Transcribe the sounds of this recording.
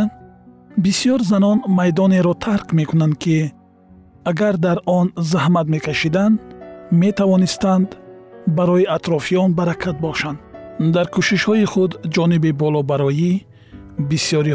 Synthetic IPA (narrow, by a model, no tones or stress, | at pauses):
bisijɔɾzanɔnmajd̪ɔne̞ɾɔt̪ʰaɾqme̞kunand̪kʰi | aɡaɾd̪aɾʔɔnzahmat̪me̞kʰaʃid̪anme̞t̪ʰavɔnist̪and̪baɾɔjiat̪ɾɔfijɔnbaɾakʰat̪̚bɔʃand̪d̪aɾkʰuʃiʃhɔiχud̪d͡ʒɔnibibɔlɔbaɾɔi | bisjɔɾi